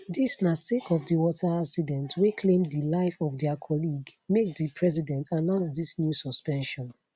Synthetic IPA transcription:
disnasekɔvdəwɔtʰaaksidɛ̃ntwekʰlẽmdilaɪfɔvdɛakʰɔliɡmek̚dipʰɹɛzidɛ̃ntanãʊ̃ns̬disnjusɔspɛ̃nʃɔ̃n

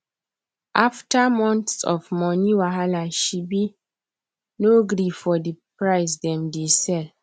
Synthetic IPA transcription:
ʔaftamɔ̃ntsɔ̰vmɔniwaɦalaʃibi | noɡɾifɔdipɹaɪsdɛ̃mdesɛl

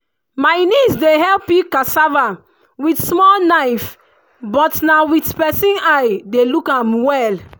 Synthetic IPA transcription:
majnisdeɦɛlpikasava | witsmɔlnajf | bɔtnawitpɛsĩnajdelukãmwɛl

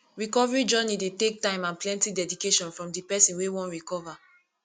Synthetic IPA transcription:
ɹikɔvɛɹid͡ʒɔnidetek̚tãɪ̃mãnplɛ̃ntidɛdikeʃɔ̃nfɹɔ̃mdipɛsĩnwewɔ̃nɹikɔva

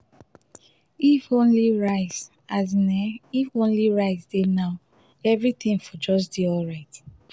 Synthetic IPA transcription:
ifõnliɹaɪs | aznɛifõnliɹaɪsdenaʊ | ɛvɹit̪ĩŋfɔd͡ʒɔs̬deɔlɹaɪdi

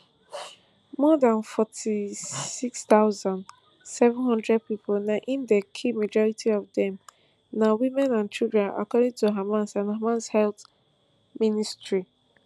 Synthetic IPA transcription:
mɔdãnfɔtʰisikst̪aʊzãnd | sɛvɛ̃nɦɔ̃ndɹɛd̚pipolnaʔĩndekʰimad͡ʒɔɹitʰiɔvdɛ̃m | nawimɛ̃nãnt͡ʃildɹɛ̃na̰kɔdɪ̃ŋtuɦamãnsãnhamãnshɛlt | ministɹi

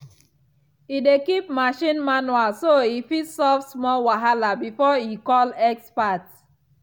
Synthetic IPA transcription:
idekip̚maʃĩnmanwalsoifitsɔfsmɔlwaɦalabifɔikɔlɛkspat

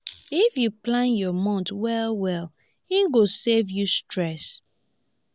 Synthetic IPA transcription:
ifjuplãnjɔmɔ̃ntwɛlwɛl | hĩɡosevjustɹɛs

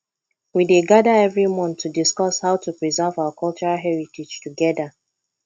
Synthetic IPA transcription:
wideɡadaɛvɹimɔ̃ntʰːudiskɔshaʊtupɹizavawakʰɔlt͡ʃɔɹalɦɛɹitid͡ʒtuɡɛda

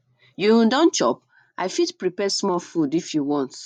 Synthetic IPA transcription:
jũdãnt͡ʃɔ̰p̚ | ʔaɪfitpɹipɛsmɔlfudifjuwɔ̃nt

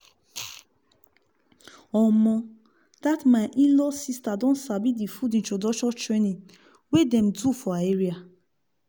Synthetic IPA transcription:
ɔmɔ̃ | d̥atmaʔilɔsistadɔ̃nsabidifudĩnt͡ʃodɔt͡ʃɔtɹenĩŋ | wedɛ̃m̩dufɔaeɹia

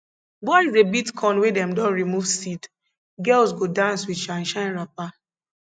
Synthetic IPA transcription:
bɔɪizebitkʰɔ̃nwedɛ̃mdɔ̃nɹimuvsit | ɡɛlsɡodãnswiʃãnʃãɪ̃nɹap̚a

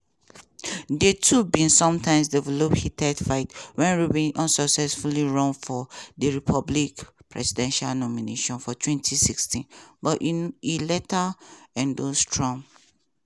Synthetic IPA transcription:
detʰubĩnsɔ̃mtʰãɪ̃ms̬dɛvɛlophitʰɛdfaɪtwɛ̃nɹubĩnʔɔ̃nsɔksɛsfuliɹɔ̃ŋfɔdəɹipʰɔblikpʰɹɛ̰sidɛ̃nʃalnɔmineʃɔ̃nfɔtʰwɛ̃ntʰisikstĩnbɔilɛtaɛ̃ndostʰɹɔ̃ŋ

